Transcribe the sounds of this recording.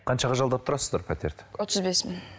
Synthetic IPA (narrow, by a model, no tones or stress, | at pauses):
qʰɑnʃɑʁɑʒɑlˠd̪ɑp̚t̪ʰʊɾɑsəzd̪ɑɾpʰat̪e̞̰ɾt̪wot̪əzbesmɪŋ